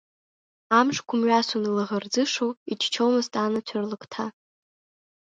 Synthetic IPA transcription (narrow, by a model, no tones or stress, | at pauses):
amʂkʷʰʊmɥasʊnɨlɨʁərd͡zɨʂoit͡ʃʰt͡ʃʰowmɨztʼanat͡ɕʷʰarlɨkʰʼtʰa